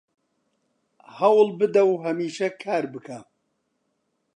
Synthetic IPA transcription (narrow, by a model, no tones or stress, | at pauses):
hɐwlbɨd̪ɐwɦɐmiːʃɐkʰaːɾbɨkʰɐ